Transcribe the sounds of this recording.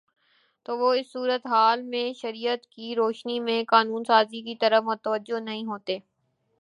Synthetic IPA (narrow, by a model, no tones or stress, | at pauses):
t̪oːʋoɪsːuːɾət̪ɦaːlmẽʃɐɾiːət̪kiɾoːʃnimẽkaːnuːnsaːzikit̪ɐɾəmʊt̪əʋəd͡ʒonɐɦĩɦoːt̪eː